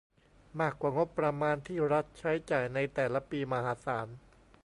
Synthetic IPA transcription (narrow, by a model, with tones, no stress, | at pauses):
maː˥˩kːwaː˨˩ŋo˦˥pːɾa˧maː˧nt̪ʰiː˥˩ɾa˦˥t̪̚t͡ɕʰa˦˥jt͡ɕaː˨˩jna˧jt̪ɛː˨˩la˦˥piː˧ma˧haː˨˦saː˩˦n